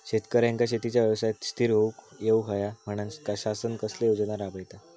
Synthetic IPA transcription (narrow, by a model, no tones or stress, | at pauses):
ɕet̪kəɾjãŋkaɕet̪it͡ɕjaʋjəʋsajt̪st̪ʰiɾɦoukjewɦəjam̤əɽ̃anskaɕasənkəslejod͡zənaɾabəjt̪a